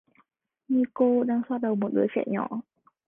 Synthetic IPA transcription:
ɲi˧ko˧ɗaː˧ŋswaː˧t̚ɗə˨˩wmo˨˩t̚ɗɨ˨˦xɛ̰˧˩ɲɔ̰˧˩˨

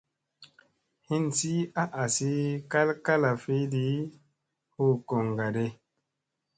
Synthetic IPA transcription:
hi˦nsi˦a˦ʔa˨si˦ka˦lka˦la˨fi˦di˦ | hu˦˨ko˨ŋɡa˨de˧

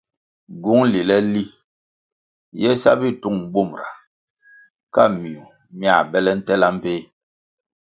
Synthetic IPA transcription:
ɡu˨˦ŋli˨lɛ˦li˦ | jɛ˦sa̰˦bi˦tu˦˨ŋ˦ɡ͡bu˦˨mɾa˨ | ka˦mi˨u˨ | mja̰˨bɛ˦lɛ˦n̩˦tɛ˦la˦m̩˦pe˦

